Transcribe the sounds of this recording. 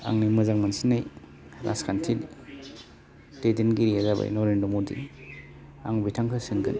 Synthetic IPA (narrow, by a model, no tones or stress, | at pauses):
a̰ŋnimɐzaŋmansinːaj | ɾʔa̰skʰantʰil | tedinɡiɾiazaba̰jnɔɾendɐmodḭ | aŋbitʰaŋkʰɯsinɡɯ̰n